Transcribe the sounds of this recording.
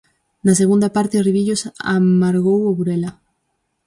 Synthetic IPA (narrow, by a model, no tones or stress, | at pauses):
nas̬eɣund̪apaɾt̪eriβiʝosa̰maɾɣowoβuɾela